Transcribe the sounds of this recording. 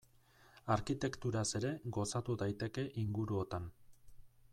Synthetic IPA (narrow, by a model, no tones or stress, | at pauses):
aɾkit̪e̞kt̪uɾase̞ɾe̞ɡo̞sat̪uðajt̪e̞ke̞ʔiŋɡuɾuo̞t̪an